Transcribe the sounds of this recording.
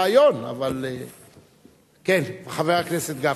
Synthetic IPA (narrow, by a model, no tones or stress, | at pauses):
ajo̞na̰vale | kenbeχaveʁakneset̪ɡa